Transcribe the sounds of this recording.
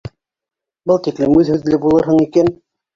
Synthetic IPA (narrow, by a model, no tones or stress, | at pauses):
bɤlˠt̪iklɘmʉðhʉðlɘbulˠɤɾɦɤɴikæn